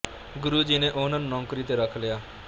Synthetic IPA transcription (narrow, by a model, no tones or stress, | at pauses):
ɡʊɾuːd͡ʒinẽʔoːɦnənnɔ̃ːkɾiːt̪eɾəkʰlejaː